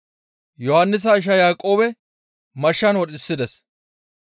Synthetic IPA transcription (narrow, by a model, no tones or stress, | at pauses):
jɔhɐnːɪs̬ɐɪʃ̬ɐjaːkʼːo̞ːbɛ | mɐʃːɐnwɔɗʼɪsːɪd̪ɛs